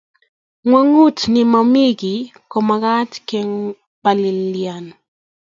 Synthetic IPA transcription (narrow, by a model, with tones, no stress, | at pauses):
ŋwa˦ŋu˦tnɪ˨ma˨mi˦ɡi˨kɔ˨ma˨ka˦tkɛ˦ŋ | ba˨lɪ˨lja˨n